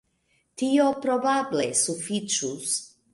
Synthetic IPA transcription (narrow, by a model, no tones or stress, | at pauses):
tiopɾobablesufit͡ʃus